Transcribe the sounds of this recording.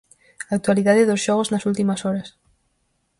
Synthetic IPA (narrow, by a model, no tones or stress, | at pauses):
aːk̚t̪waliðaðeðosʃɔɣ̞oznɐsult̪imɐsɔɾɐs